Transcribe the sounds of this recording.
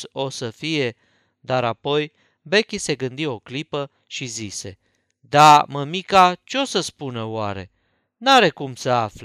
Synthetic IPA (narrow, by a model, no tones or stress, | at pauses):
o̞səfije̞ | d̪aɾapo̞j | bekʲise̞ɡɨnd̪io̞klipə | ʃizise̞̰ | d̪aməmikat͡ʃeosəspunəwa̰ɾe̞̰ | naɾe̞kumsəafl